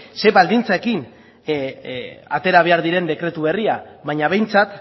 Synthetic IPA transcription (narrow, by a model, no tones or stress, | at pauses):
se̞βald̪int͡sae̞kin | at̪e̞ɾaβ̞e̞aɾðiɾe̞nd̪e̞kɾe̞t̪uβe̞riaβaɲaβ̞e̞jnt͡sat̪